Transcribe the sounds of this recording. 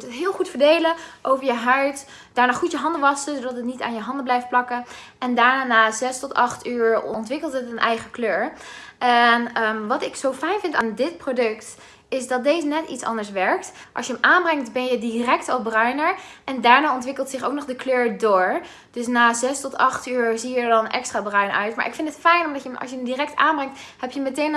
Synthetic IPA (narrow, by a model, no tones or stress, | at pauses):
tətɦɪːlˠχutfəɹdejləʔowvəɹjəɦœɥt | d̥aːɹnaːχutjəɦɑndəʋɑsəzodɑtətnita̰ːnjəɦɑndəblɛjft̚plɑkə | ɛndaːɹnaːnaːzɛstɔtɑχtyːɹntʋɪkəlˠtɦətənʔɛjχəkløːɹʔɛnʋɑtɪksowfɛjnvɪntaːndɪt̚prodɵkt | ɪsdɑt̚dejzənɛtḭtsɑ̰ndəɹsʋɛɹktʔɑ̰ʃjəəmʔaːnbrɛŋktbɛnjədirɛktɔbrœɥnəɹʔɛndaːɹnaːɔntʋɪkəlˠtsɪχo̰wknɔχdəkløːɹdoːɹ | d̥ɵs̬naːzɛstɔtɑχtyːɹziədɑnʔɛ̰kstraːbrœɥnœ̰ɥtma̰ːɹʔɪ̰kfɪntətfɛjnɔmdɑtjəmɑ̰sjəəmdirɛk̚taːnbrɛŋthɛpjəmətejn